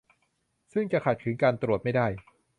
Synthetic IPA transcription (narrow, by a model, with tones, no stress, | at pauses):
sɯ˥˩ŋt͡ɕa˨˩kʰa˨˩t̪̚kʰɯ˩˦ŋkaː˧nt̪ɾu˨˩ət̪̚ma˥˩jdaː˥˩j